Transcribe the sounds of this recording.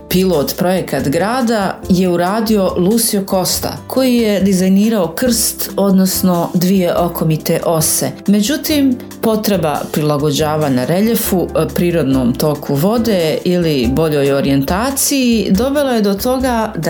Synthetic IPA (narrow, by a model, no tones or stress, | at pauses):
pilˠo̞ːt̪pɾo̞je̞kat̪ɡɾaːd̪aje̞uɾaːd̪iolˠuːsioko̞st̪a̰kʰo̞jijed̪izajniːɾaokr̩st̪o̞d̪no̞sno̞d̪ʋije̞ʔo̞kʰo̞mit̪e̞ʔo̞se̞me̞d͡ʑut̪im | po̞t̪ɾe̞ba̰pɾilˠaɡo̞d͡ʑaːʋanaɾe̞ʎe̞fupɾiːɾo̞d̪no̞ːmt̪o̞kʰuʋo̞d̪e̞ilibo̞ʎo̞joɾie̞nt̪aːt̪sijid̪o̞belajed̪o̞t̪o̞ɡad̪a